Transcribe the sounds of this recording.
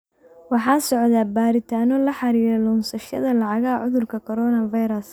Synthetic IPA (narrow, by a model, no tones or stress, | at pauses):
wɑħɑːnsɔʕðaːbaːɾɪt̪ʰaːnɔlɐħɑɾiːɾɛlɔnsɐʃɐ̰ðɐlɑʕɑɣɐʕʊðʊrkʰɐkʰɔɾɔːnɐvɐjɾɐs